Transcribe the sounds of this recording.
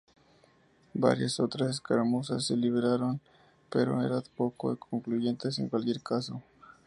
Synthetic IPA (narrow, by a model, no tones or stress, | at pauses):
ba̰ɾjasot̪ɾaseskaɾmosasːeliβeɾaɾon | pe̞ɾo̞̰ḛɾat̪pokoekʰoŋkluʝe̞nt̪e̞se̞̰ŋkwalkje̞ɾkaso̞